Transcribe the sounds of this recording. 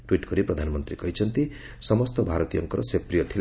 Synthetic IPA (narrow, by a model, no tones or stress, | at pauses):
ʈwiʈɡʌɾiprʌd̪ʱanmʌnt̪ɾikʌjt͡sʌnt̪i | sʌmʌst̪ʌbʱaɾʌt̪ijʌ̰ŋkʌɾʌ̰seprijʌt̪ʰil